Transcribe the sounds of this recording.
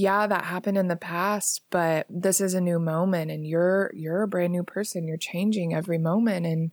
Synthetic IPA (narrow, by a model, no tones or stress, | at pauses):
jæðə̰ʔ̚hæpɨ̃ndɨ̃nðɨpʰæst̚b̥ʌt̚ðɪsɨzɨnʉmõʊ̃mɨ̃ñtɨ̃njə˞jə˞ɨbɹɛ̃nⁿʉpʰɜ˞sɨ̃njə˞t͡ʃʰẽɪ̃nd͡ʒɪ̃ŋɛvɹimõʊ̃mɨ̃ntɨ̃n